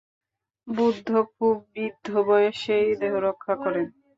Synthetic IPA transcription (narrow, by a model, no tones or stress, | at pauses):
bud̪ʱːokʰub̚ːid̪ʱːobɔjeʃejd̪eɦoɾokʰːakɔɾen